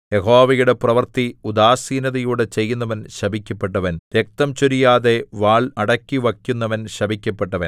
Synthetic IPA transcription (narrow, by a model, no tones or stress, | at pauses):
jeɦoːʋɐjuɽe̞prɐʋɐrt̪iud̪aːsiːnɐðɐjuːɽet͡ɕe̞jːunːɐʋɐnɕɐbʱikʲːɐpːe̞ʈːɐʋɐnʋjek̚t̪ɐmt͡ɕoɾijaːðe̞ʋaːɭɐɽɐkʲːiʋɐkʲːunːɐʋɐnɕɐbʱikʲːɐpːe̞ʈːɐʋɐn